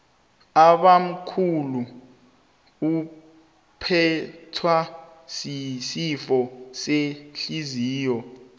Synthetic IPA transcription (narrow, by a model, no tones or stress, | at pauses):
aɓam̩kʰulu | u | pʰɛtʰwasisifɔseɬiziːjɔ